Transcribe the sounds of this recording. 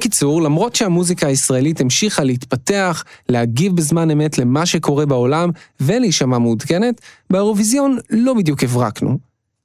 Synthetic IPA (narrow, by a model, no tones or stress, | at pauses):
kit͡suʁlamʁo̞tʃehamuzikaːisʁae̞litimʃiχalehitpate̞aχlehaɡivbezmane̞me̞tle̞maʃe̞ko̞ʁe̞bao̞lamve̞leʃamamudɡene̞tbeeʁo̞vizjo̞nlo̞bidjuke̞vʁaknṵ